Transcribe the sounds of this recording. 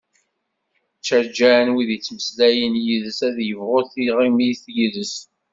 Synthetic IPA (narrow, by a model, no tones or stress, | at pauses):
t͡ʃːəɾd͡ʒænwiðət͡sːməslæjənjiðəsæðjəvʁʊθiʁimijθjəðəs